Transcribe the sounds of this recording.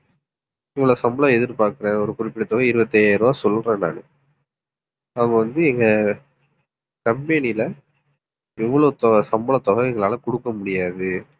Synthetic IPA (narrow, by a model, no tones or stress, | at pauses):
ɪʋːɐɭoːsɐmbɐɭãɛðɪɾpaːɾkɯɾẽːɔɾɯkʊɾɪpːɪʈɐt̪ːɔɣɐɪɾɯbɐt̪ːɐaːɾɯʋaːsɔlːɾẽːna̰ːnɯ | ɐʋŋɡɐʋɐnd̪ɯɛŋɡɐ | kɐmpenɪjɪlɐ | ɛʋːɐɭoːt̪ɔsɐmbɐlɐt̪ːɔɣɐŋɡɐɭaːlɐkɔɽɯkːɐmʊɽɪjaːðɯ